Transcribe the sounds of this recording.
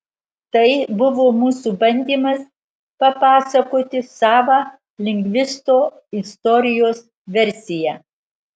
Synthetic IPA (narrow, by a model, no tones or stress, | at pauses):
t̪ɐɪbʊʋoːmuːsubɐnʲd̪ʲiːmɐs | pɐpɑːsɐkoːt̪ʲɪsɑːʋɑ | lʲɪŋʲɡʲʋʲɪst̪oː | ɪst̪ɔɾʲɪjoːs | ʋʲɛɾʲsʲɪjæ